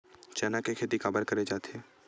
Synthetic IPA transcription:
t͡ʃɛːnakekʰeːt̪ikaːbəɾkɐɾed͡ʒaːt̪e

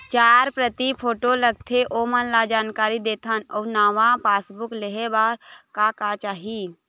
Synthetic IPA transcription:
t͡ʃaːɾpɾət̪ipʰoːʈoləɡ̚t̪ʰeʔomənlad͡ʒaːnkaːɾid̪eːt̪ʰənɔːɾnaːʋãpaːsbʊkleɦebaːɾkakat͡ʃaːɦi

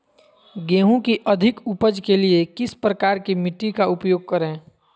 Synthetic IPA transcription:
ɡeːɦũkiʔəd̪ʱɪkʊpəd͡ʒkeliekɪspɾəkaːɾkimɪʈikaʊpjoːɡ̚kəɾẽː

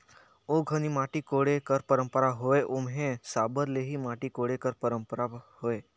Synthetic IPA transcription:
oɡʱənimaːʈikoɽekəɾpəɾə̃mpəɾaɦoeʔomɦẽsaːbəɾleɦimaːʈikoɽekəɾpəɾə̃mpəɾahoe

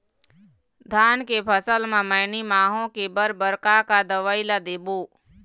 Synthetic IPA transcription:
d̪ʱaːnkepʰəsəlmãməːnimaːɦõkebəɾbəɾkakad̪əʋailad̪eːboː

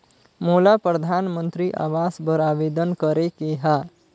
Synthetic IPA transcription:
moːlapɾəd̪ʱaːnmə̃nt̪ɾiʔa̰ːʋaːsbəɾaːʋeːd̪ənkəɾekeɦaː

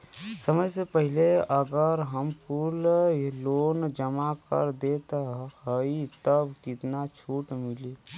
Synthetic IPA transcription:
səməjsepəɦɪleəɡəɾɦəmpulloːnd͡ʒəmakə̰ɾd̪et̪ɦəit̪əbkɪt̪nat͡ʃʰuːʈmɪliː

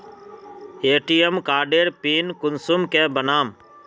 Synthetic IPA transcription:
eːʈiːemkaːɾɖeːɾpiːnkʊnsʊmkẽːbənaːm

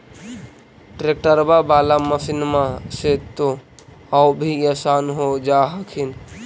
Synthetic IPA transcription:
ʈɾek̚ʈəɾbabaːlaməsinmãset̪o | awbʱijasaːnɦod͡ʒaːɦəkʰin

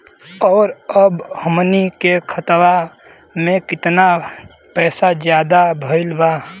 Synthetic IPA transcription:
ɔːɾəbhəmnikekʰət̪wa | mẽkɪt̪na | pɛːsad͡ʒjad̪abʱəɪlba

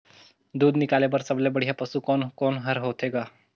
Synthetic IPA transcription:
d̪uːd̪nikalebəɾsəblebəɽ̤japəsuːkonkonɦəɾɦot̪eɡa

